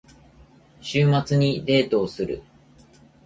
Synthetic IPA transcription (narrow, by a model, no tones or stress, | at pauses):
ɕɨːmat͡sɨɲ̟iɾe̞ːt̪o̞ːsɨɾɯ̰